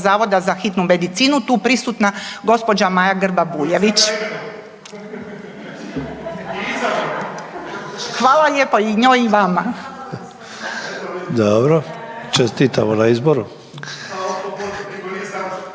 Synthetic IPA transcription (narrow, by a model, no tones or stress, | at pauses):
zaːʋo̞d̪azaxit̪nume̞d̪it̪siːnut̪uːpɾisut̪naɡo̞spo̞d͡ʑamajaɡr̩babuːjeʋit͡ʃ | xʋaːlˠaʎepoiɲoːjiʋama | d̪obɾot͡ʃest̪it̪amonaizboɾu